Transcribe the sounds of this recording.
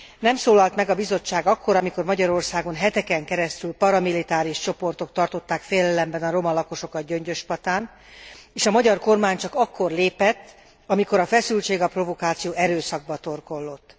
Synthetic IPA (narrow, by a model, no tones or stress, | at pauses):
nɛmsoːlɒlt̪mɛɡɒbizo̞t͡ʃːaːɡɒkːo̞ɾɒmiko̞rmɒɟɒɾo̞rsaːɡo̞nɦɛt̪ɛkɛŋkɛɾɛst̪ylpɒɾɒmilit̪aːɾiʃt͡ʃo̞po̞rt̪o̞kt̪ɒrt̪o̞t̪ːaːkfeːjlɛlɛmbɛnɒɾo̞mɒlɒko̞ʃo̞kɒt̪̚ɟø̞ɲɟø̞ʃpɒt̪aːn | eːʃɒmɒɟɒrko̞rmaːɲt͡ʃɒkɒkːo̞rleːpɛt̪ː | ɒmiko̞ɾɒfɛsylt͡ʃeːɡɒpro̞vo̞kaːt̪sijoːɛɾøːsɒɡ̚bɒt̪o̞rko̞lːo̞t̪ː